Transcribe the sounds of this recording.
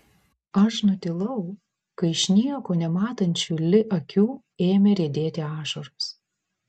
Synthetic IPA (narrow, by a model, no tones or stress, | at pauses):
ɐʃnʊt̪ʲɪlˠɐʊ | kɐɪʃʲnʲiɛkoːnʲɛmɑːt̪ɐnʲt͡ʃʲuːlʲɪʔɐkʲuː | eːmʲɛɾʲiɛd̪ʲeːt̪ʲɪɑːʃoɾʊs